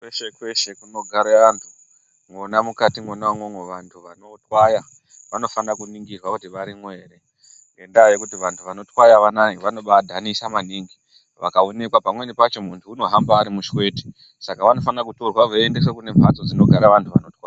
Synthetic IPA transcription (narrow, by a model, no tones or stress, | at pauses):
kweʃekwe̞ʃe̞kuno̞ɡʱaɾeʋantʰu̥ | mwonamukatimwonaŋwomweʋantʰuʋano̞twaja | ʋano̞fanakuniŋɡirwakutiʋaɾimwe̞ːɾe̞ | ŋɡe̞ndajekutiʋantʰuʋano̞twajaʋanaiʋano̞ɓadʱanisamaniːŋɡi | ʋa̰kaone̞kwapamwe̞nipat͡ʃo̞muntʰuːno̞ɦambaːɾimuʃwe̞ːti̥ | sakaʋano̞fanakutorwaʋoendes̬ekune̞mpʰat͡sod͡zino̞ɡʱaɾaʋantʰuʋa̰notwaja